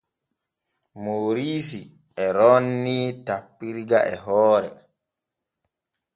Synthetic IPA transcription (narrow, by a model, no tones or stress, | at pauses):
moːɾiːs̬i | ɛɾɔnːiːtapːiɾɡaʔɛɦɔːɾɛ̰